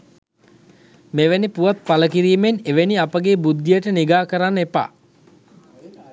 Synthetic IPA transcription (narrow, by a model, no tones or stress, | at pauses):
meʋenipuʋat̪̚paləkiɾiːmeneʋeniapəɡeːbud̪ːijəʈəniɡaːkəɾanːepa̰ː